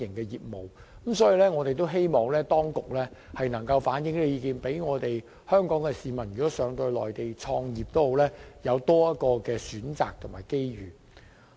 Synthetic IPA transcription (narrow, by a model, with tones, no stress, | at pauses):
ɪ˨˩ŋkɛː˧jiː˨p̚mo˨˩w | m̩sɔː˨˥ji˨˧lɛː˥ŋɔː˨˧t̪e˨jt̪o˥wɦe˥jmɔː˨˩ŋlɛː˥t̪ɔː˥ŋkʊ˨k̚lɛː˥hɐ˨jnɐ˨˩ŋkɐ˧wfaː˨˥njɪ˨˥ŋle˨˧jiː˨˧kiː˨npe˨˥jŋɔː˨˧t̪e˨j | hœː˥ŋkɔː˨˥ŋkɛ˧siː˨˩mɐ˨˩njyː˨kɔː˨˥sœː˨˧ŋt̪ɵ˧lɔ̰ː˨jt̪e˨jt͡sʰɔː˧ŋjiː˨p̚t̪o˥who˨˧wlɛː˥jɐ˨˧wt̪ɔː˥jɐ˥t̚kɔː˧kɛː˧syː˨˥nt͡sa̰ː˨k̚t̪ʰʊ˨˩ŋmaː˨˩jke˥jɥyː˨˩